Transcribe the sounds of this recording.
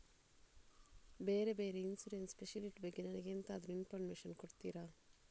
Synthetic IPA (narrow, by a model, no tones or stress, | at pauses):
beːɾebeːɾeinsuɾenspeʃɐliʈbeɡːinɐnɐɡent̪aːd̪nuinpʰɐɾmeːʃɐnkoɽt̪iːɾaː